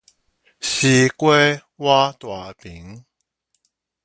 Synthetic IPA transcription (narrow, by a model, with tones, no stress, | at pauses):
si˧kwe˦ | wa˦t̪wa˨˩pi˨˦ŋ